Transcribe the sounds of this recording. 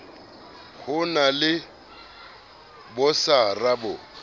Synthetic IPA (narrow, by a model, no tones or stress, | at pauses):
kʰʊnalɪ | bʊsarabʊ